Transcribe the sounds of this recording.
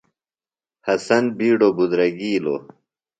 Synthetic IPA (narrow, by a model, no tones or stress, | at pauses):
hɐsɐnbiːɖobud̪ɾɐɡiːlo̰